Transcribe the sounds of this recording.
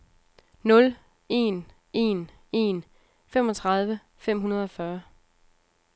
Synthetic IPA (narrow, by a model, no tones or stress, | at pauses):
nɔ̽l | e̝̰n | e̝n | e̝n | fem̰ɒ̽t͡sʰʁɑ̈ð̞ˠʋə | fem̰ɦunɐð̞ˠɒ̽fɶɐ